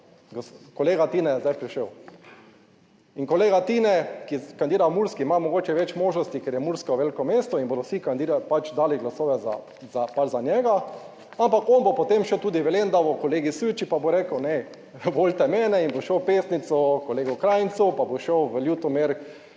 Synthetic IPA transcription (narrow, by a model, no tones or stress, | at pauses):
ɡkoleːɡat̪iːnɛjɛzd̪ajpɾiʃəw | iŋkoleːɡat̪iːnɛkikand̪iːɾawmuɾskimamɔɡoːt͡ʃɛʋɛt͡ʃmoːʒnɔst̪ikeɾjɛmuɾskɔwʋelkɔmeːst̪ɔinbod̪ɔsikand̪iɾapat͡ʃd̪aːliɡlasoːʋɛza̰ | zapaɾzanjɛɡa | ampakonbopot̪emʃɛt̪uːd̪iʋɛlend̪abɔkoleːɡisut͡ʃipaboɾeːkəwnɛ | bolt̪ɛmɛːnɛinboʃəwpeːsnit̪sɔkoleːɡɔkɾaːjnsuwpaboʃəwʋəljut̪ɔmeɾk